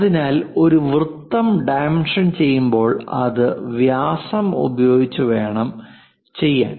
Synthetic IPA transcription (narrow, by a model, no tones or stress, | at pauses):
ɐðinaːlo̞ɾuʋrɨt̪ːɐmɖaːmɳʂɐnt͡ɕe̞jːumbo̞ːɭɐ̰ðɨʋjaːsɐmṵbɐjo̞ːɡit͡ɕːuʋe̞ːɳɐm | t͡ɕe̞jːa̰ːn